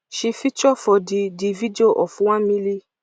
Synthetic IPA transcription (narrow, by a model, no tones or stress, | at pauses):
ʃifit͡ʃɔfɔdidividioʔɔfũwãmĩli